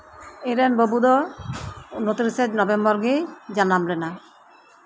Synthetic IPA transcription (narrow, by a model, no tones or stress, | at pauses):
eɾɛnbobud̪ɔ | not̪ɾised͡ʒnɔbembɔɾɡejd͡ʑanamlena